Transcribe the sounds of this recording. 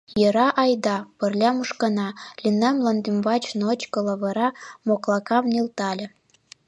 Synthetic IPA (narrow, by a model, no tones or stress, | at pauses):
jɤ̆ɾɑʔɑjd̪ɑpɤ̆rlʲɑmuʃkɑnɑlʲinæmlɑnd̪ymbɑt͡ɕnot͡ɕkɤ̆lɑβɤ̆ɾɑmoklˠɑkɑmnelt̪ɑlʲĕ